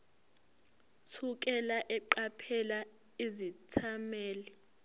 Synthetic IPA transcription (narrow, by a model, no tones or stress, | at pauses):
t͡sʰuk̬ʼɛlaʔɛǃapʰɛla | izitʰamɛːlɛ